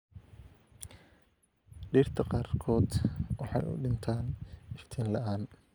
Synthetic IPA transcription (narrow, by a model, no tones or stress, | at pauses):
ɖiːrt̪ʰɐqɑːrkʰɔːd̪wɑħɑ̰jʊ̰ɖɪnt̪ʰaːnɪft̪ʰɛːnlɐʔaːn